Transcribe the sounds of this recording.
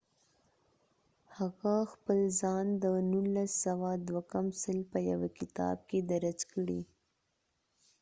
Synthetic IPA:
haɣaxpəlzɑnd̪ənulasːawad̪wakamsəlpəja̰wakɪt̪ɑ̰b̚ked̪aɾat͡skəɽḭ

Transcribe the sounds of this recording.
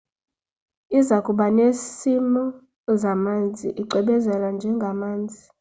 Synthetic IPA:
izakʼuɓanesimɔ | zamand͡zʱḭʔiǃʱɛɓɛzɛland͡ʒʱɛŋɡʱamaːnd͡zʱi

